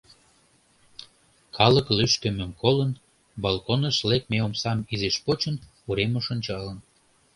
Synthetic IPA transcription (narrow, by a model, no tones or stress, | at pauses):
kʰɑləklyʃk̪ø̆mə̆mkolən | bɑlˠkonəʃlek̚meomsɑmizeʃpot͡ɕən | uɾemoʃonʲt͡ɕɑlən